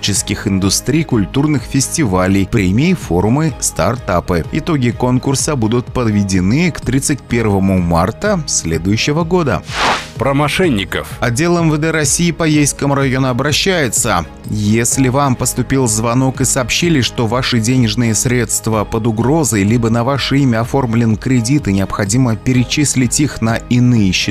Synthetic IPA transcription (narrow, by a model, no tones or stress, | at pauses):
t͡ɕɪskʲɪxɪnd̪ʊst̪ɾʲijkʊlʲt̪urnɨxfʲɪsʲtʲɪvalʲɪjpɾʲemʲɪɪfo̞rmɨst̪a̰rt̪apɨɪt̪o̞ɡʲɪko̞nkʊrsəbud̪ʊt̪̚pəd̪vʲɪdʲɪnɨkt̪ɾʲit̪sɨt̚ʲpʲe̞rvəmʊma̰rt̪əsʲlʲed̪ʊjʉɕːɪvəɡo̞d̪ə̰pɾəmɐʂɛnʲːɪkə̰fɐdʲːe̞lˠəmvəd̪ɛɾɐsʲijːɪpɐjejskəmɾɐjo̞nʊɐbɾɐɕːæjɪt̪sə | jesʲlʲɪvampəst̪ʊpʲilˠzvɐno̞kɨsɐːpɕilʲɪʂt̪o̞vaʂɨdʲenʲɪʐnɨjəsʲɾʲe̞t̪st̪vəpəd̪ʊɡɾo̞zəjlʲibənɐvaʂɨimʲəɐfo̞rmlʲɪnkɾʲɪdʲit̪ɨnʲɪɐpxɐdʲiməpʲɪɾʲɪt͡ɕisʲlʲɪtʲixnəɪnɨjəɕːɪ